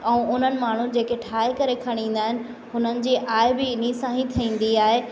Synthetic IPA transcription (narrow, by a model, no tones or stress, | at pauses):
ɛ̃ũːʔʊn̤ənɪ̆maːɳ̤ũd͡ʑeːkeʈʰaːɪkɐɾekʰɐɽ̃ĩːn̆d̪aːɦɪnɪ̆ | ɦʊn̤ənɪ̆d͡ʑiːʔaːɪbɪɪnisãːɦĩt̪ʰɐĩːn̆d̪iaːɦe